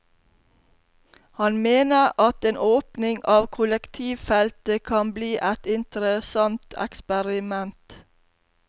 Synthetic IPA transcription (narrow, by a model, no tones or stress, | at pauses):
hɑnmeːnəɾɑt̪eːnʔoːpnɪŋɑːʋkʰʊləkt̪ʰiːʋfɛlt̪əkʰɑnbliːʔæt̪ɪnt̪əɾəsɑnt̪ʰɛ̰kspəɾɪmɛnt̪